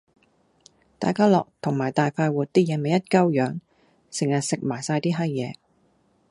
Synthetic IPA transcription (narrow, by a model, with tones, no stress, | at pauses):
t̪aː˨jkaː˥lɔ̰ː˨k̚t̪ʰʊ˨˩ŋmaː˨˩jt̪aː˨jfaː˧jwuː˨t̚t̪iː˥jɛː˨˧me˨jɐ˥t̚kɐ˥wjœː˨˧ŋ | sɪ˨˩ŋjɐ˨˩t̚sɪ˨k̚maː˨˩jsaː˧jt̪iː˥ɦɐ˥jjɛː˨˧